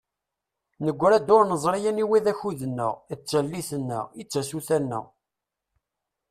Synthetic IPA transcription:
nəɡʷːɾæd̪ʊɾnəzˤɾijæniwiðæçuðənːə̰ʁət͡sːəlːiθənːə̰ʁit͡sːæsuθænːə̰ʁ

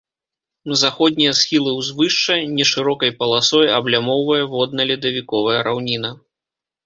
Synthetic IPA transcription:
nɐzaxɔd̪ʲnʲijɐsxʲilˠɨwzvɨʂt͡ʂɐnʲɛʂɨɾɔkɐjpɐlˠasɔjɐblʲamɔwvɐjɛvɔd̪nɐlʲid̪ɐvʲikɔvɐjɐɾawnʲinɐ

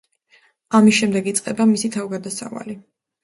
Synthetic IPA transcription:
amisʃɛmd̪ɛɡit̪sʼqʼɛbamisit̪ʰavɡad̪asa̰va̰li

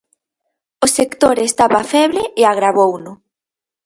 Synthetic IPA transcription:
osekt̪oɾest̪aβafɛβɾeeaɣɾaβownʊ

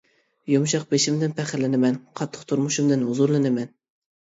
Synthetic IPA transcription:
jomʃɑq̚beʃɪmd̪ɪnpʰæχɪɾlɪnɪmɛnqʰɑt̪ʰːə̥qt̪ʰuɾmʊʃumd̪ɨnʊzʊɾlˠɨnɪmɛn

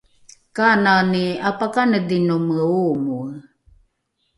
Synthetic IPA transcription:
kananiapakanədinoməumu

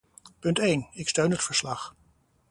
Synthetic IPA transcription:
pɵntejnɪkstøɥnɦətfəɹslɑχ

